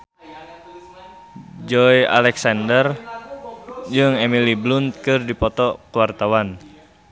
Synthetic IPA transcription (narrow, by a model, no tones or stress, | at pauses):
d͡ʒɔja̰lɛksandər | d͡ʒɨŋɛmiliblunt̪̚kɨrdipɔt̪ɔkuwart̪awan